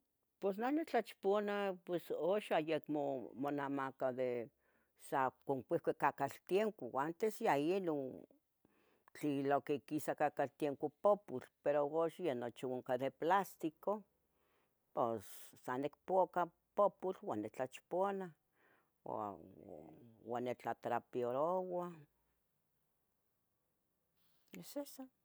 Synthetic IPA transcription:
pwes̬nonet͡ɬat͡ʃponapwesoʃajekmomonamakad̪e | sakoŋkʷihkʷekakalt̪jeŋkowant̪esjajeno | t͡ɬilokekisakakalt̪jeŋkopopulpeɾooʃjenot͡ʃioŋkaðeplast̪iko | posːanekpoka | poput͡ɬwanːet͡ɬat͡ʃpona̰ | wanːet͡ɬat̪ɾapioɾowa | esesa

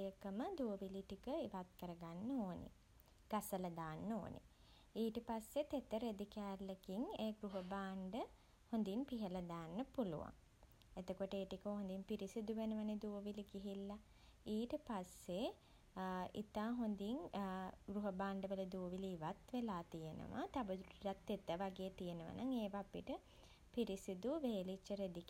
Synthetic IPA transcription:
jəkəməd̪uoʋiliʈikəiʋat̪̚kəɾəɡanːəoːnʔḛ | ɡ̥asələd̪aːnːo̰ːnʔḛ | iːʈəpasːet̪et̪əɾed̪ikaːlːekiŋeːɡɾuɦəbaːɳɖə | hond̪inpiɦələd̪aːnːəpulṵʋa̰ŋ | et̪okoʈəeːʈikəɦond̪impiɾisid̪uʋenəʋəned̪uʋoʋiliɡiɦilːa | iːʈəpasːe | ḭt̪aːɦond̪iŋɡɾuɦəbaːɳɖəʋələd̪uːʋiliiʋat̪ʋelaːt̪ijenə̰ʋa̰t̪abəd̪ɾuiʈat̪ːet̪əʋaɡeːt̪ijenəʋə̰nʔaŋeːʋaːpḭʈə | piɾisid̪uʋeːlit͡ʃːəɾed̪ik

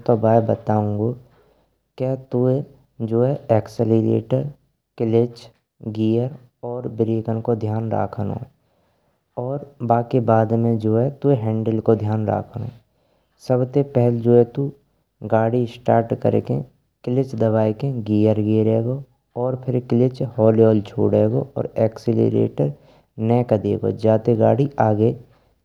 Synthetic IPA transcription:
t̪obaːebət̪aːũːŋɡo | kjaːt̪ue | d͡ʒoːɛɛːksəliɾḛːʈəɾ | kɪlɪt͡ʃ | ɡiːjəɾ | ɔːɾbɪɾiːkənkod̪ʱjaːnɾa̰ːkʰənõ̰ː | ɔːɾbaːkebaːd̪mẽd͡ʒoːɛt̪ueɦɛ̃ːɳɖəlkod̪ʱjaːnɾa̰ːkʰəno̰ː | səbt̪epɛɦld͡ʒoːɛt̪u | ɡaːɽisʈaːɾʈkə̰ɾḛkḛ̃ | kɪlɪt͡ʃd̪əbaːekẽɡiːjəɾɡeːɾeːɡo | ɔːɾpʰɪɾkɪlɪt͡ʃhɔːlioːlt͡ʃʰo̰ːɽeːɡoʔɔ̰ːɾɛːksɪlḛɾḛːʈəɾ | nɛːkəd̪ḛːɡo̰d͡ʒaːt̪eɡaːɽiʔaːɡe

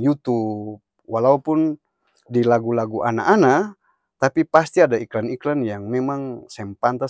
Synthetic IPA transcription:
jut̪up̚ | walaupun | dilaɡulaɡuʔa̰na̰ʔːna | t̪apipast̪iadaiklaniklanjaŋmɛmaŋsɛmpant̪a

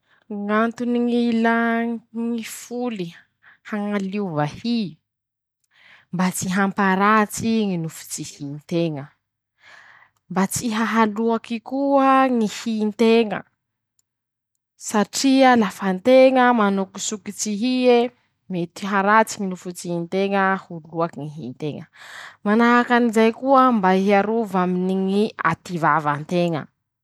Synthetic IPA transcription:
ŋant̪uniŋilaŋifuli | haŋaluvahi | mbat͡siɦampaɾat͡siŋinufu̥t͡sihint̪eŋə | mbat͡siɦaɦaluakikuəŋihint̪eŋə̰ | saʈ͡ʂialafant̪eŋəmanukisukit͡siɦie | met̪iɦaɾat͡siŋinufut͡siint̪eŋəhuluakiŋiɦint̪eŋəmanaakanizajkuəmbaiɦiaɾuvaminiŋia̰t̪ivavant̪eŋə̰

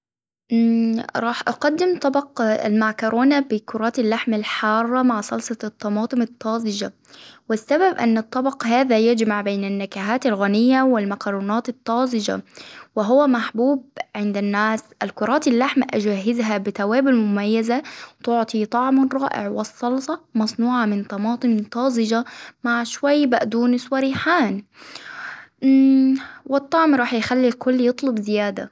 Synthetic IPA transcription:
ɾˤɑːħʔɑqɑd̪ːɪmt̪ˤɑbɑqlmaʕkɑɾʔoːnabɪkʊɾˤɑːt̪alːaħmalħɑːrˤːɑmaʕsɑlsˤɑt̪ˤːɑmɑːt̪ˤɨmɪt̪ˤːɑːzɪd͡ʒa̰ | wɪsːababʔanːɨt̪ˤːɑbɑqhaːðajad͡ʒmaʕbeːnanːakaɦaːt̪alɣanɪjːawɪlmakɑɾˤuːnɑːt̪ɨt̪ˤːɑːzɪd͡ʒa̰wɪɦʊwamaħbuːb̚ʕɪnd̪ɪnːaːsʔalkʊɾˤɑːt̪alːaħmaʔad͡ʒaːɦɪzɦabɪt̪awaːbɪlmʊmajːazat̪ʊʕt̪ˤit̪ˤɑʕmrˤɑːʔɪ̰ʕwɪsˤːɑlsˤɑmɑsˤnuːʕamɪnt̪ˤɑmɑːt̪ˤɨnt̪ˤːɑːzɪd͡ʒamaʕʃwajːbaʔd̪uːnɪswaɾiːħaːn | wɪt̪ˤːɑʕmɾˤɑːħjxalːilkʊlːjɨt̪ˤlʊbzɪjaːd̪a̰

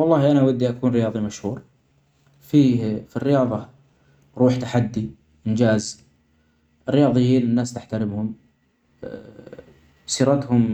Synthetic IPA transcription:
wɑlˤːɑːhiʔanawad̪ːiʔakuːnɾɪjɑːðˤimaʃhuːɾ | fiːfirːɪjɑːðˤɑ | ɾuːħt̪aħad̪ːi | ʔɪnd͡ʒaːz | ʔɪrːɪjɑːðˤɨjiːnɪnːaːst̪aħt̪aɾɪmhʊm | siːɾˤat̪hʊm

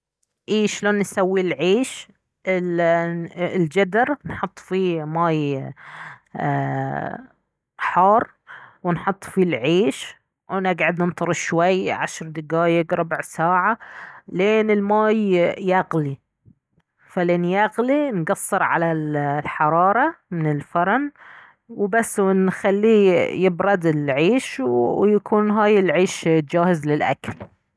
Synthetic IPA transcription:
ʔiːʃloːnːsawːilʕiːʃ | ɪl | ld͡ʒad̪ɑɾnħʊt̪ˤːfimaːj | ħɑːrˤ | wɪnħʊt̪ˤːfilʕiːʃ | wnɪɡʕad̪nɪnt̪ˤɑɾˤɨʃwajʕaʃɾˤd̪ɪɡaːjɪɡɾˤʊbʕsaːʕaleːnɪlmaːjːaɣli | faleːnjaɣlinɡɑsˤːɨɾʕa̰lallħɑɾˤɑːɾˤɑmɪnɪlfɑɾˤɑn | wbasːwɪnxalːijɪbɾˤɑd̪ɪlʕiːʃwjakʰuːnɦaːjɪlʕiːʃtd͡ʒaːhɪzlɪlʔa̰kal

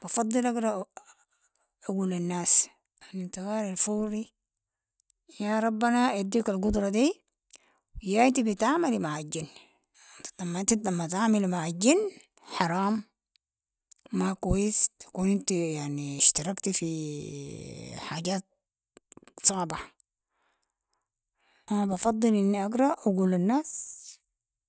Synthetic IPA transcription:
b̥ɑfɑd̪ˤːɨlakɾɑ | aɡuːlanːaːs | ʔanint̪iɣaːɾalfuːɾi | jaɾˤɑbːanaʔad̪ːiːkalɡud̪ɾˤɑd̪iː | jaːint̪ibit̪ʕaːmalimaʕaɟinː | t̪i̥t̪amːant̪iamːat̪aʕmalmaʕad͡ʒinː | ħɑɾˤɑːm | akwajist̪ḁkuːnint̪ijaʕniʃt̪ɑɾˤɑkt̪ifi | ħaːɟaːt̪̚ | sˤɑʕbɪħ | ʔanabɑfɑd̪ˤːɨlʔinːiʔaɡɾˤɑʔaɡuːlanːaːs

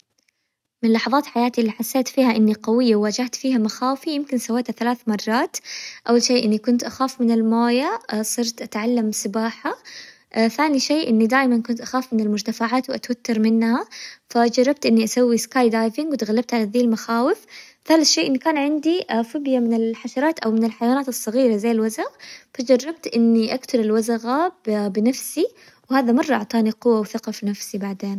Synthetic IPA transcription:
mɪnlɑħɑðˤɑːt̪ħajaːt̪iʔɪlːiħasːeːt̪fiːhaʔɪnːiqɑwɪjːawwaːd͡ʒaht̪fiːhamaxaːwfijɪmkɪnsawːeːt̪haθalaːθmɑrˤːɑːt̪ʔawːalʃeːʔɪnːikʊnt̪ʔaxaːfmɪnɪlmoːjasˤɨɾt̪ʔat̪ʕalːamsɪbaːħa | θaːniʃeːʔɪnːid̪aːjmankʊnt̪ʔaxaːfmɪnɪlmʊd͡ʒt̪afaʕaːt̪wʔat̪wat̪ːɑɾˤmɪnːhafad͡ʒɑrˤːɑb̚t̪ʔɪnːiʔasawːiskaːjd̪aːjvɪŋɡwɪt̪ɣalːab̚t̪ʕalaðiːlmaxaːwɪfθaːlaθʃeːʔɪnːikaːnʕɪnd̪iʔfɪbjamɪnɪlħaʃɑɾˤɑːt̪ʔawmɪnɪlħajawaːnaːt̪ɨsˤːɑɣiːɾazajːɪlwazaɣfad͡ʒɑrˤːɑb̚t̪ʔɪnːiʔakt̪ʊɾɪlwazaɣabɪnafsi | whaːðamɑrˤːɑʔɑ̰ʕt̪ˤɑːniqʊwːawθɪqɑfinafsibaʕd̪eːn

